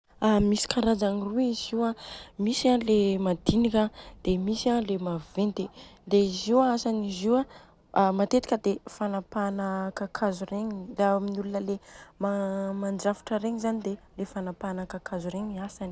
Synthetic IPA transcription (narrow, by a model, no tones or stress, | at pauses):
amisi̥kaɾad͡zaniruiziwamisalemad̪inikad̪̥emisialemavent̪ed̪eiziasaniziwa | mat̪et̪i̥kʲəd̪efanapanəkakʰazureɲilaminulunəlemamand͡ʒafi̥ʈ͡ʂəɾeɲizanid̪e | lefanapanəkakazuɾeɲiasani̥